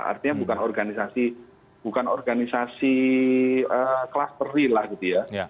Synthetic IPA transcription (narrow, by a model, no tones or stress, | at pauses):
a̰rt̪iɲabukanɔrɡanisasi | b̥ukanɔrɡanisasi | əklast̪əɾilahɡit̪uja